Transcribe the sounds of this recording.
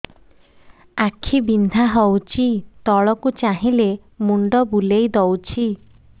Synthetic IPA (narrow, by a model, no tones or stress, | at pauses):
akʰibind̪ʱaɦɔwt͡ʃʰit̪ɔɭɔkut͡ʃaɦile | muɳɖɔbulejd̪ɔwt͡ʃʰi